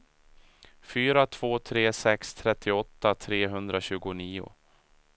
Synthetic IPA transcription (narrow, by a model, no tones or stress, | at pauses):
fyːɾat̪ʰv̥oːt̪ʰɾeːsɛkst̪ʰɾɛt̪ʰːɪɔt̪ːat̪ʰɾeːɦɵnd̪ɾaɕʉ̟ːɡʊniːʊ̰